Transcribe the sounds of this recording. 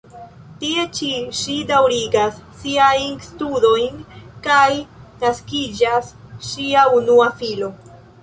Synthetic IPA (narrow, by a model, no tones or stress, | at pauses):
tie̞t͡ʃiʃidawɾiɡasːiajnstudo̞jnkajnaskid͡ʒasʃiaunuafilo̞